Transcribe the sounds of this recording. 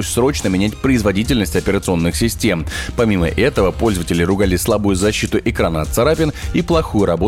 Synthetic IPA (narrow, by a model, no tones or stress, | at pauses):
osʲsɾo̞t͡ɕnəmʲɪnʲætʲpɾəɪzvɐdʲit̬ʲɪlʲnəsʲtʲɐpʲɪɾət̪sɨo̞nːɨxsʲɪsʲtʲe̞mpɐmʲimə̰ʔɛt̪əvəpo̞lʲzəvətʲɪlʲɪɾʊɡalʲɪslˠabʊjʊzɐɕːit̪ʊʔɪkɾanəɐt̪sɐɾapʲɪniplˠɐxujʊɾɐbo